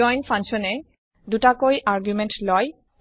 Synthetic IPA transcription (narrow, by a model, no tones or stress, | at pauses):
ɔjnpʰãŋʃɔnɛ | dutakojʔaɹɡjumɛntlɔj